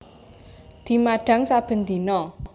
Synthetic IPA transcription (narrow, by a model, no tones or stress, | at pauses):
d̪̥i̤maɖ̥a̤ŋsab̥ə̤nd̪inɔ